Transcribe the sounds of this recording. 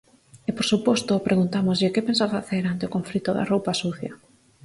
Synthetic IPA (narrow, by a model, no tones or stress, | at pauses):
epoɾsupɔst̪opɾʔeɣunt̪amozʎɪkepensafaθeɾant̪ɪokoɱflit̪oðɐ̰rowpasuθjɐ